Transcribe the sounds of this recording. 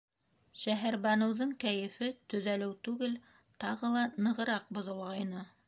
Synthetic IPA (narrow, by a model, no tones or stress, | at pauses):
ʃæɦæɾbɑnɤ̆wðɤɴkæjɘ̆fɘt̪ɵ̆ðælɘwt̪ʉɡɘl | t̪ɑʁɤlˠɑnɤ̆ʁɤ̆ɾɑq̚bŏðŏlˠʁɑjnɤ